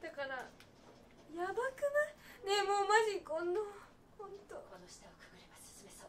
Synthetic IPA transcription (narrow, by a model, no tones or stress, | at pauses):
d̪akaɾa | jabakɯnanemoːmaʑikõ̞nːo | hõnt̪okonoɕi̥t̪aokɯ̥kɯ̟ɾemassmes